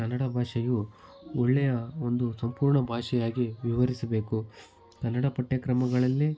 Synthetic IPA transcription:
kɐnːɐɽɐbʱaːʂɐju | ɔɭːɛjɐond̪usɐmpuːɾɳɐbʱaːʂɛjaːɡiʋiʋɐɾisɐbe̞ːku | kɐnːɐɽɐpɐʈːekɾɐmɐɡɐɭɐlːi

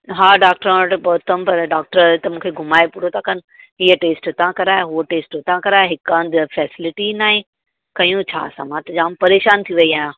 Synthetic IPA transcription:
ɦaːɖaːk̚ʈɾãʈbɔːt̪ʰəmpɐɾɖaːk̚ʈəɾt̪ɐmũːkʰeɡʱʊmaːepʊɽot̪ʰãkɐn | ɦiːəʈeːsʈt̪ãkɐɾaːeɦuoʈeːsʈt̪ãkɐɾaːjeɦɪkãnd̪fɛːsɪlɪʈinaːɦẽ | kɐjũt͡ɕʰa̰ːsã̰ːmãt̪ɐd͡ʑaːmpɐɾeːʃaːnt̪ʰiʋɐiaːɦjãː

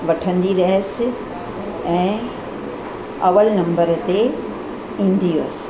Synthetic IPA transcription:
ʋɐʈʰə̃nd̪iɾɐɦəsɪ | ɛ̃ː | ɐʋəlnɐ̃mbəɾt̪e | ĩːn̆d̪iʋɐsɪ̥̆

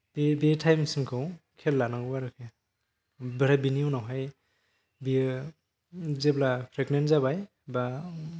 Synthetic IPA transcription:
bebetʰajmsiŋkʰɯwkʰelːanaɡɯbaɾɯkʰe | beɾabiniunawɦaj | bi | zeblapʰɾeknenzabaj | ba

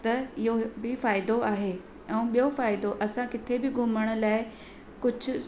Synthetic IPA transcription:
t̪ɐɪɦobɪfaːɪd̪oaːɦeː | ɛ̃ũːɓijofaːɪd̪oʔɐsãkɪt̪ʰebɪɡʱʊməɽ̃ʊ̆laːɪ | kʊd͡ʑʱʊ̆

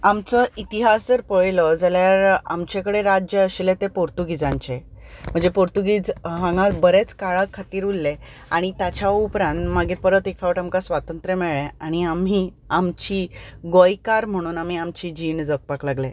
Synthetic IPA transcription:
amt͡sɔit̪iɦasd͡zəɾpəɭləd͡zaljaɾa̰mt͡ɕekəɽeɾad͡ʑjəːɕlet̪epoɾt̪uɡid͡zãɲt͡ɕe | m̤əɳd͡zepoɾt̪uɡid͡zɦãŋɡãbəɾet͡skaɭakʰːat̪iːɾulːe | aɽ̃it̪at͡ɕaupɾãnmaɡiːɾpəɾət̪ekfaʋəʈamkasʋat̪ənt̪ɾəmɛɭeaɽ̃iam̤i | amt͡ɕiːɡojkaɾm̤əɽ̃uːnam̤iamt͡ɕid͡ʑiɳd͡zək̚paklaɡle

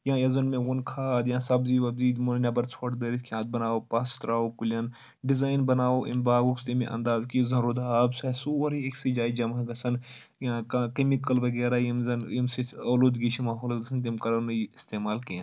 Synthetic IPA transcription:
jãːjɐzɐnmẽwonkʰaːd̪jãːsɐbziːʋɐbziːd̪molnɐbɐɾt͡sʰoːʈd̪eːɾiskʰʲãːt̪̚bɐnaːoːpaːst̪ɾaːokulʲɐn | ɖizaːjnbɐnaːoʔimbaːɡokst̪imḛ̃ʔɐ̰̃nd̪aːzkizɐnɾoːd̪aːbsɐsuoɾieksid͡ʒaːid͡ʒɐmaɡɐsɐn | jãːkkemikɐlʋɐɡeːɾaːjimzɐnimsiɐːloːd̪ɡit͡ʃʰimaːɦoːlɡɐsʰɐnt̪̬imkɐɾɐnɨist̪eːmaːlkĩ

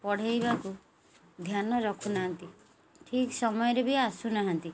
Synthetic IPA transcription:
pɔɽ̤ajbaku | d̪ʱjanɔɾɔkʰunaɦant̪i | ʈʰiksɔmɔjɔɾebiasunaɦant̪i

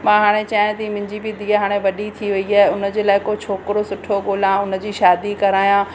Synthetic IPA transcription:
mãɦaːɽ̃et͡ɕaːjẽt̪ɐimɪ̃ɲd͡ʑibɪd̪iːəɦaːɽ̃eʋɐɗit̪ʰiʋɐiaːɦeʊnə̆d͡ʑeːlaːɪkot͡ɕʰoːkɾosʊʈʰoɡoːlãʊnə̆d͡ʑiːʃaːd̪ikɐɾaːjã

